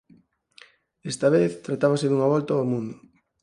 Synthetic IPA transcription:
est̪aβeθt̪ɾat̪aβaseðuŋaβɔlt̪aɔmũnd̪ʊ

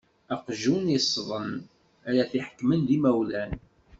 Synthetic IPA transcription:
æqʒunisˤːðˤən | æɾæθiħə̥kmənðimæwlæn

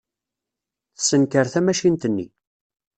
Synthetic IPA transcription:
θəsənkəɾθæmæʃint̪ənːḭ

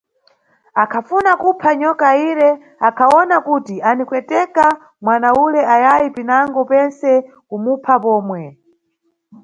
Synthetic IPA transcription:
akʰafunakupʰaɲɔkaiɾɛ | akʰaɔnakutianikwɛtɛka | mwanaulɛajajipinaŋɡɔpɛnsɛ | kumupʰapɔːmwɛ

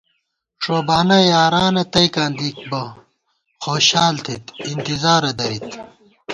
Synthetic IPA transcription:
ʂoːbaːnɐjaːɾaːnɐt̪ɐjkaːnd̪ik̚bɐ | xoːɕaːlt̪ʰit̪int̪izaːɾɐd̪ɐɾit̪

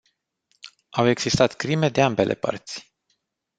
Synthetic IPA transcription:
ʔawe̞ɡz̥ist̪at̪kɾime̞d̪e̞ambe̞lʔe̞̰pə̰rt̪sʲ

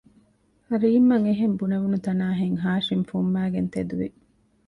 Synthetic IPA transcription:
ɐɾiːmːɐŋeɦembuneʋunut̪ɐnaːɦeŋɦaːʃimfumːæːɡent̪ed̪uʋi

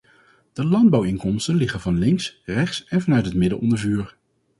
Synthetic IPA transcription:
d̥əlɑnd̚bɑwɪŋkɔmstənlɪχənvɑnlɪŋksrɛχsɛnvɑnœɥtɦətmɪdəlʔɔ̰ndəɹvyːɹ

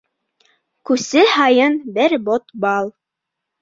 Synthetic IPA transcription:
kʉsɘhɑjɤnbɘɾbot̪bɑlˠ

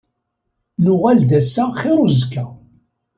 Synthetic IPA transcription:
nʊʁæld̪æsːaχɪɾˤʊzkːæ

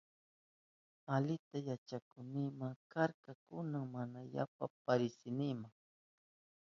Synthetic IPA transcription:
alɪt̪ajat͡ʃakʊnɪmaŋkaɾkakʊnaŋmanaja̰papaɾɪsɪnɪmaŋ

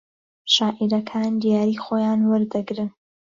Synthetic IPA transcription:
ʃaːʔiɾɐkʰaːnd̪ijaːɾiːxoːjaːnwəɾd̪ɨɡɾɨn

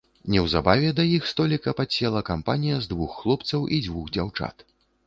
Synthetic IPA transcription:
nʲɛwzabavʲɛd̪ɐjixst̪ɔlʲikɐpasʲɛlˠɐkampanʲijɐzd̪vuxːlˠɔpt̪sɐwʔid͡zʲvuxd͡zʲawt͡ʂa̰t̪

